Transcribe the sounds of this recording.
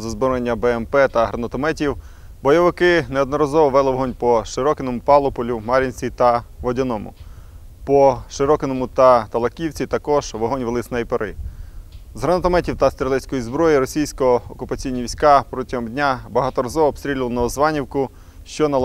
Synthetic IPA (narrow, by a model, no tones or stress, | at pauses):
zɐzbɔɾenʲːɐbɛɛmpɛt̪ɐɦɾɐnɔt̪ɔmɛtʲiw | bɔjɔʋɪkɪnɛɔd̪nɔɾɐzɔʋɔʋɛlˠɪʋɔɦɔnʲpɔʃɪɾɔkɪnɔmʊpɑlˠɔpɔlʲʊmɑɾʲinʲt͡sʲit̪ɐʋɔdʲɪnɔmʊ̰ | pɔʃɪɾɔkɪnɔmʊt̪ɐt̪ɐlˠɐkʲiwt͡sʲit̪ɐkɔʒ̥ʋɔɦɔnʲʋelˠɪsnɛjpeɾʔɪ̰ | zɦɾɐnɔt̪ɔmɛtʲiwt̪ɐst̪eɾelˠɛsʲkɔjizbɾɔjiɾɔsʲijsʲkɔɔɔkʊpɐt͡sʲijnʲiʋisʲkɑpɾɔtʲiɦɔmdʲnʲabɐɦɑt̪ɔɾɐzɔʋɔːbst̪ʲɾʲilʲɪlˠɪnɐɔzʋɑnʲiwkʊ | ʃt͡ʃɔnɐ